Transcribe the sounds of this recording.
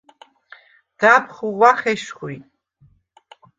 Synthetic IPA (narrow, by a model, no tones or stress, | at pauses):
d̥apʰχuwaχʲeʃχʷojtʼ